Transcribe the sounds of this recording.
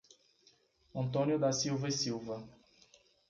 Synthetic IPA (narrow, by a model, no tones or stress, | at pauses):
ɐ̃nt̪õnjʊd̪ɐsiwvɐisiwvɐ